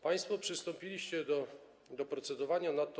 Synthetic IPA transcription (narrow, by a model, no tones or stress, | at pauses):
paj̃st̪fɔpʂɘst̪ɔmpʲilʲiɕt͡ɕɛd̪ɔ | d̪ɔpɾɔt̪sɛd̪ɔvaɲanat̪ːɔ